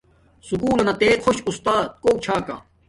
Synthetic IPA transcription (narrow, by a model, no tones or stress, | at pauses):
sukuːlɐnɐt̪eːkʰoɕust̪aːt̪̚koːt͡ɕʰaːka̰